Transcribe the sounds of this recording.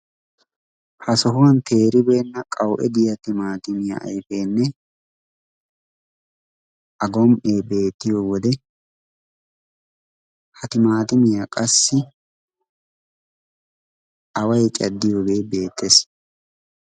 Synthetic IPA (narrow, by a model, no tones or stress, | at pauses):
hɐsɔɦʊwɐnt̪ʰe̞ːɾɪbe̞ːnːɐkʼɐwʔɛ̰d̪ɪjɐt̪ɪmaːt̪ɪmɪja̰ʔɐ̰jfe̞ːnːɛ | ʔɐɡɔmʔe̞ːbe̞ːt̪ːɪjowɔd̪ɛ | hɐt̪ɪmaːt̪ɪmɪjakʼɐsːɪ | ʔɐwɐjt͡ʃʼɐd̪ːɪjobe̞ːbe̞ːt̪ːes